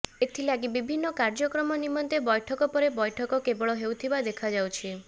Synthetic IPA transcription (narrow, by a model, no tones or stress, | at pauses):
et̪ʰilaɡibibʱinːɔkaɾd͡ʒɔkɾɔmɔnimɔnt̪ebɔjʈʰɔkɔpɔɾebɔjʈʰɔkɔkebɔɭɔɦewt̪ʰibad̪ekʰad͡ʒawt͡ʃʰi